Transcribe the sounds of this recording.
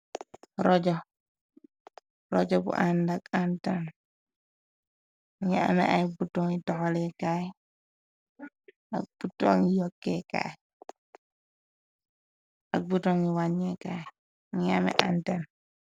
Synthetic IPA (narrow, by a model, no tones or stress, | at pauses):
ɾɔd͡ʒɔ | ɾɔ̰d͡ʒɔbṵʔandakantan | ŋɛa̰mɛ̰ajbutːɔŋitɔhɔlɛkaj | a̰k̚b̥utːɔŋijɔkːɛka̰ | ak̚butɔŋiwaɲːɛka | ŋamɛ̰ʔantan